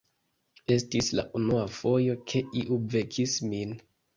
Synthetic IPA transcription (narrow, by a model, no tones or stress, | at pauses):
e̞stisla̰ʔunuafo̞jo̞kʰe̞ʔiʔuve̞kʰismin